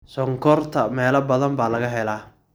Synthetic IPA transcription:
sɔŋkʰɔrt̪ʰɐmɛːlɐbɐðɐmbaːlɐɣɐɦɛlaː

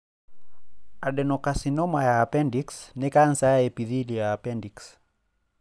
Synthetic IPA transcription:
aɗɛnɔkasinɔmajaːpɛndiksnɛkan̩sajaɛpiðilijaːpɛndiks

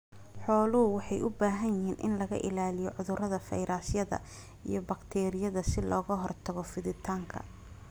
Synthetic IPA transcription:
ħɔːlʊɦʊwɑħɑjʊbaːɦɐnjɪɦiːnʔɪ̰nlɐɣɐ̰ʔɪ̰laːlɪjɔʕʊðʊrɐðɐfɛ̰jɾʔaːsjɐðɐ̰ | ḭjɞbɐkt̪ʰɛːɾɪjɐðɐsɪlɔːɣɐɦɔrt̪ʰɐɣɔfɪðɪt̪ʰaːŋkʰɐ̰

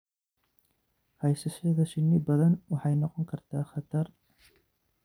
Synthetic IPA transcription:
hɑjsɪsɪðɐʃɪnːɪbɐðɐnwɑħɑjnɔqɔŋkʰɐɾt̪ʰaːxɑt̪ɐɾ

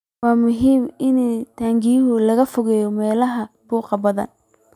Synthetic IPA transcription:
wɑːmʊɦiːmɪnɛt̪ʰaːŋɡɪjʊɦʊlɐɣɐfʊɣɛːjɔmɛːlɐɦɐb̥uːqɑbɐða̰ːn

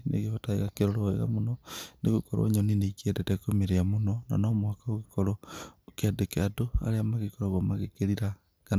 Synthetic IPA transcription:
nḛɣeβataiɣakeɾoɾoḛɣa̰munoneɣukoɾo̰ɲoninekiedetekomeɾeamunona̰nomwakaoɣikoɾokadekeadoa̰ɾeamaɣikoɾoβamaɣekeɾiɾa | ka

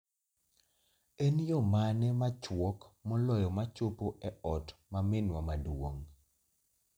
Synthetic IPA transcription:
enjomanɛmat͡ʃwɔkmɔlɔjɔmat͡ʃopoʔɛɔtmamɪnwamadwoŋ

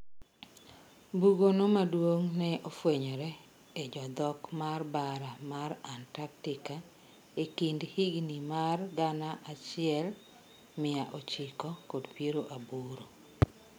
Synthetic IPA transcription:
buɡonomadwoŋnɛʔofweɲɔɾɛ | ed͡ʒɔd̪ɔkmarbaɾamaɾantak̚tɪka | ekindhiɡnimarɡanaʔat͡ʃɪɛl | mɪaʔot͡ʃikɔkodpjeɾoʔabuɾo

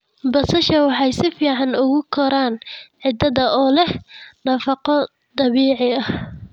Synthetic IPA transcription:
bɐsɐʃɐwɑħɑjsɪfiːʕɑnʊɣʊkʰɔɾaːnʕɪd̪ɐðɐʔɔːlɛhnɐfɑqɔ | d̪ɑβiːʕɪɐh

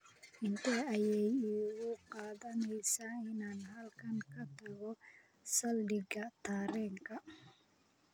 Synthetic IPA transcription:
ʔɪnt̪ʰɐɐjɛjɪɣʊqɑːðɐnɛjsaːɪnaːnɦɐlkʰɐŋkʰɐt̪ʰɐɣɔ | sɐldɪɡɐt̪ʰaːɾɛːŋkʰɐ

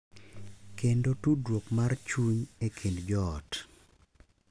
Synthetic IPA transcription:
kendotudwokmart͡ʃuɲekʰendd͡ʒɔːt

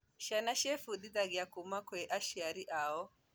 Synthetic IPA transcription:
ʃanaʃɛfuɗiðaɡiakumakwɛʔaʃiaɾiʔaɔ

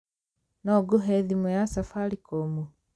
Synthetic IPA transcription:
noɡuɦeðimujasafalikomu

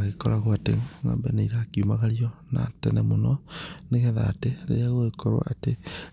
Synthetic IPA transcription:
aɣekɔɾaɣwatḛŋŋa̰mbɛnaiɾakiumaɣaɾiɔna̰tɛnɛmonɔneɣɛða̰ːteɾḛɾeaɣoɣekɔɾwa̰ʔate

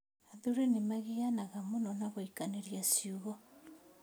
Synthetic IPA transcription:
aðuɾenimaɣijanaɣamunonaβoikaneɾiasiuɣo

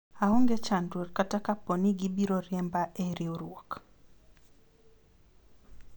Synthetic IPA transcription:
aɦoŋɡɛt͡ʃandorkatakapɔniɡibiɾoɾjɛmbaʔeɾioɾwɔk

